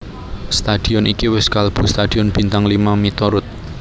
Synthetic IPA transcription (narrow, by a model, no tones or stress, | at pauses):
st̪ad̪̥i̤ɔnikiwɪskalb̥ṳst̪ad̪̥iɔnb̥i̤nt̪aŋlimamit̪ɔɾʊt̪̚